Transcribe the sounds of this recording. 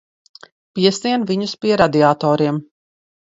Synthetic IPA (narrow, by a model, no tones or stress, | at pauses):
piɛsiɛnviɲuspiɛɾad̪iaːt̪ɔːɾiɛm